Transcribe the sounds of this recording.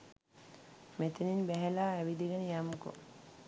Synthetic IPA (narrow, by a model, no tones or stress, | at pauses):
met̪eninbæɦelaːæʋid̪iɡɐnəjamuko̰